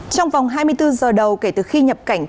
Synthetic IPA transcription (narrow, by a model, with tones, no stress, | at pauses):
t͡ɕɔ˧wŋ͡mvɑ˨˩wŋ͡mɦaː˧jmɨ˧əjt̪ɨ˧zəː˨˩ɗə˨˩wke˧˩t̪ɨ˨˩xi˧ɲə˨˩p̚ka˧˩jŋ̟